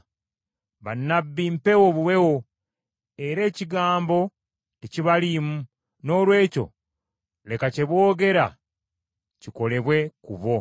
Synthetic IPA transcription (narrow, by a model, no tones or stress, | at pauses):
βanːabːimpe̞woβuwe̞wo | e̞ɾe̞ːciɡaːmbo̞ | eciβalimu | no̞ːlwe̞ːco̞̰ | le̞kace̞βwo̞ːɡe̞ɾa | ciko̞le̞βwe̞kṵβo̞